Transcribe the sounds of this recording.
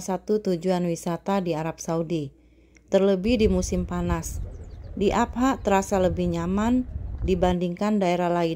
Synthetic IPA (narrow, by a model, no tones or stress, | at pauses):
sat̪ut̪ud͡ʒuanwisat̪adiaɾap̚saudi | t̪ərləbɪhdimusɪmpanasdiʔap̚ɦaʔt̪əɾasaləbɪhɲamandibandiŋkandaeɾahlai